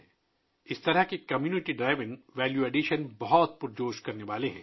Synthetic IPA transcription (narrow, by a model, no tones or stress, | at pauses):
ɪst̪ɐɾəɦkekɐmjuːnɪʈiɖɾaːɪʋɪ̃ŋʋɛːljuɛːɖiʃənbɐɦɔt̪̚pʊɾd͡ʒoːʃkɐɾneʋaːleɦɛ̰̃ː